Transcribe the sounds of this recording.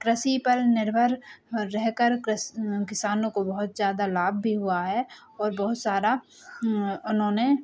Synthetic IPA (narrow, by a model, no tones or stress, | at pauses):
kɾəsipəɾnɪɾbʱəɾːɛɦkəɾ | kɪsaːnõkobɐɦʊt̪zjaːd̪alaːb̚ʱbʱiɦuaɦɛ | ɔːɾbɔɦʊt̪saːɾa | ʊnɦõne